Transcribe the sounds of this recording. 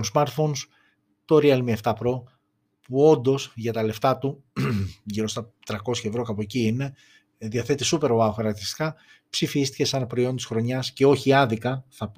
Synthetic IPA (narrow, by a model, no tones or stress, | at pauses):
onsmɐɾt̪fo̞ns | t̪o̞ɾiɐlmieft̪ɐpɾo̞ | puo̞nd̪o̞sʝɐt̪ɐle̞ft̪ɐt̪u | ʝiɾo̞st̪ɐt̪ɾɐko̞sçɐevɾo̞kɐpociine̞ | ðiɐθe̞t̪isupe̞ɾoɐoxɐɾɐkt̪ist̪i̥kɐ | psifist̪i̥ce̞sɐnpɾo̞io̞nt̪isxɾo̞ɲɐsce̞o̞çiɐðikɐθɐp